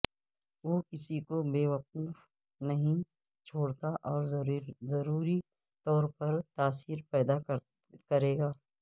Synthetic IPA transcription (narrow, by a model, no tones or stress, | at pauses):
ʋoːkɪsikobeːʋɐquːf | nɐɦĩ | t͡ʃʰoːɽt̪aʔɔːɾzɐɾuːɾi | t̪ɔːɾpɐɾt̪aːsiːɾpɛːd̪ak | kɐɾeːɡaː